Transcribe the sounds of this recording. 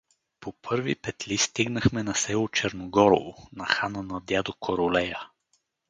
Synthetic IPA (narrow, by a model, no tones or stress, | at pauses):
popʰɤɾvḭpɛt̪list̪iɡnəxmɛnɐsɛlˠot͡ʃɛɾnoɡɔɾo̰vonɐxanənɐd̪jad̪okʰoɾolɛjə